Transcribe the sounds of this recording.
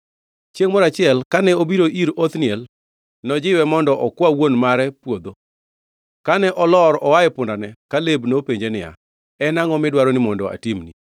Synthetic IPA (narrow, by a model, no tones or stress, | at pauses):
t͡ʃjeŋmɔɾat͡ʃɪɛlkanɛobiɾoʔiɾot̪nɪɛl | nɔd͡ʒɪwɛmɔndɔʔɔkwawonmaɾɛpwod̪o | kanɛʔɔlɔɾɔwajɛpʊndanɛkalebnopeɲd͡ʒenɪja̰ | ɛnaŋɔmɪdwaɾɔnɪmɔndɔa̰timni